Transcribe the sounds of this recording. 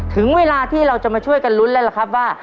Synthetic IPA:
t̪ʰɯ˩˦ŋweː˧laː˧t̪ʰiː˥˩ɾa˧wt͡ɕa˨˩maː˧t͡ɕʰu˥˩əjka˧nlu˦˥nlɛː˦˥la˨˩kʰa˦˥p̚waː˥˩

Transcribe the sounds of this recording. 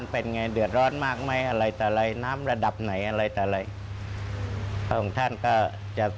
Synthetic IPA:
npe˧nŋa˧jdɯ˨˩ət̪̚ɾɔː˦˥˩nmaː˥˩k̚ma˦˥˩jʔa˧ɾa˧jt̪ɔː˨˩ɾa˧jnaː˦˥mɾa˧da˨˩p̚na˩˦jʔa˧ɾaː˧jt̪ɛː˨˩ɾa˧j | kʰɔː˨˩ŋt̪ʰa˥˩˨nkɔː˥˩ | t͡ɕa˨˩ʔ

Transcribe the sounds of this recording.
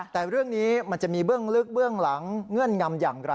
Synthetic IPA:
t̪ɛː˨˩ɾɯ˥˩əŋniː˦˥ma˧nt͡ɕa˨˩miː˧bɯ˥˩əŋlɯ˦˥k̚bɯ˥˩əŋla˩˦ŋːɤ˥˩nŋa˧mjaː˨˩ŋɾa˧

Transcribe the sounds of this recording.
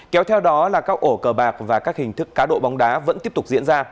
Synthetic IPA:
kɛ˨˦wt̪ʰɛ˧wɗɔ˨˦laː˨˩kaː˦˥k̚ʔo˧˩kəː˨˩ɓaː˨˩k̚vaː˨˩kaː˦˥k̚hï˨˩ŋ̟t̪ʰɨ˦˥kːaː˨˦ɗo̰˧˨ɓa˨˦wŋ͡mɗaː˨˦və̰˧˥nt̪i˦˥əp̚t̪k͡p̚zḭ˧˥ənzaː˧

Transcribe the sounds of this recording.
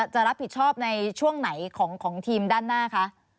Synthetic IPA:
t͡ɕa˨˩ɾa˦˥p̚ʰːi˨˩t̪̚t͡ɕʰɔː˥˩p̚na˧jt͡ɕʰu˥˩əŋna˩˦jkʰɔː˩˦ŋkʰɔː˩˦ŋt̪ʰiː˧mdaː˥˩nːaː˥˩kʰa˦˥ʔ

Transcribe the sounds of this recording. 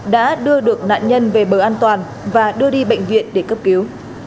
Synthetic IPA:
ɗa̰ː˧˥ɗɨ˧əɗɨ˨˩ək̚na̰ː˧˨nɲə˧nve˨˩ɓəː˨˩ʔaː˧nt̪waː˨˩n | vaː˨˩ɗɨ˧əɗi˧ɓə̰˧˨jŋ̟vḭ˧˨ənɗe˧˩kə˦˥p̚ki˨˦w

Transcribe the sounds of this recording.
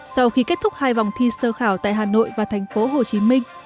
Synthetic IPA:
sa˧wxi˧ke˦˥t̚t̪ʰʊ˦˥k͡p̚haː˧jva˨˩wŋ͡mt̪ʰi˧səː˧xaː˧˩wt̪a̰ː˧˨jɦaː˨˩no̰˧˨jvaː˨˩t̪ʰɛ˨˩jŋ̟fo˨˦ɦo˨˩t͡ɕi˨˦mï˧ŋ̟

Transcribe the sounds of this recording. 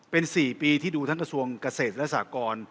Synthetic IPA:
pe˧nsiː˨˩piː˧t̪ʰiː˥˩duː˧t̪ʰa˦˥ŋka˧su˧əŋkaː˧seː˨˩t̪̚lɛ˦˥saː˩˦kɔː˧n

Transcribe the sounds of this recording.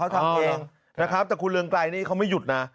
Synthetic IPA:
a˦˥w̪ʰaː˧˩ɛ˧ŋ | na˦˥kʰɾa˦˥p̚t̪ɛː˨˩kʰu˧nlɯ˧əŋklaː˧jniː˥˩kʰa˦˥wma˥˩ju˨˩t̪̚na˦˥

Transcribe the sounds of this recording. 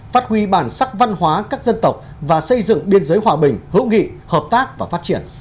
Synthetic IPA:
faː˦˥t̚hwi˧ɓaː˧˩nsa˦˥k̚va˧nhwaː˨˦kaː˦˥k̚zə˧nt̪ə˨˩wk͡p̚ | vaː˨˩sə˧jzɨ̰˧˨ŋɓi˧ənzəː˨˦jwaː˨˩ɓï˨˩ŋ̟hɨ̰˧˥wŋḭ˧˨həː˨˩p̚t̪aː˦˥k̚vaː˨˩faː˦˥t̚t͡ɕi˧˩ən

